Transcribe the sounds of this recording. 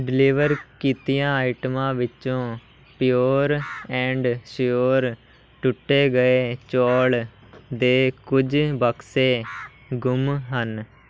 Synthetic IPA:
ɖɪliːʋəɾkiːt̪ijãːaːɪʈmãːʋɪt͡ʃõː | pɪjoːɾɛ̃ːɳɖʃjoːɾ | ʈʊʈːeːɡəeːt͡ʃɔːl | d̪eːkʊd͡ʒbəkseː | ɡʊmɦən

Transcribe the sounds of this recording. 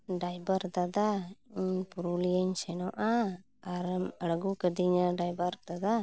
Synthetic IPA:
ɖajbəɾd̪ad̪aiɲpuɾulijəɲsɛnɔʔaː | ɾəməɽəɡukəd̪iɲaɖajbəɾd̪ad̪a

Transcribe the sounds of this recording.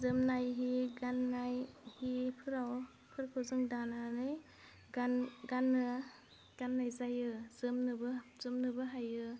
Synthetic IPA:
zɯmnajɦiɡanːajhipʰɯɾaw | pʰɯɾkʰɯzɯŋdananɯj | ɡanɡanːɯ | ɡ̥anːajzajɯzɯmnɯbɯzɯmnɯbɯɦajɯ

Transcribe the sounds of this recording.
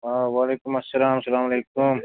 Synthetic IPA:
aʋaːleːkʊmɐsːɐlaːmsɐlaːmɐleːkʊm

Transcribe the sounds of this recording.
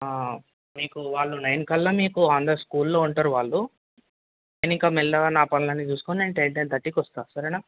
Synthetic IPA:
a | miːkuʋaːɭːunɐjnkɐlːɐmiːkuaːnd̪ɐskuːlːo̞ːuɳʈaːɾuʋaːɭːu | neːniŋkaːmɛlːɐanaːpɐnɐlɐnːit͡ʃuːsu̥koneɳʈeːɳʈent̪ɐʈːikɔst̪aːsɐɾɐna

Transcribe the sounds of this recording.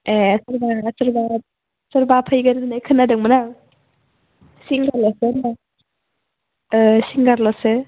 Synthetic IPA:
esɯɾbasɯɾba | sɯɾbapʰajɡadɯnajkʰɯnːadɯŋmɯna | siŋɡaɾlɔsɯna | siŋɡaɾlɔsɯ

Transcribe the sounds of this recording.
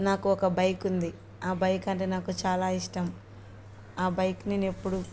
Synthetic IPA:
naːkuɔkɐbɐjkund̪i | aːbɐjkɐɳʈeːnaːkut͡ʃaːlaːiʂʈɐm | aːbɐjkninepːuɽu

